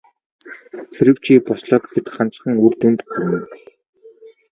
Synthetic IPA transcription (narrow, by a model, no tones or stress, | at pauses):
xʰiɾɘ̆wt͡ɕiːpɔsɮɔːk̪xɘ̆t̪χan̥t͡s̆χə̆ŋurt̪ɵnt̪ɵ̆punɘ̆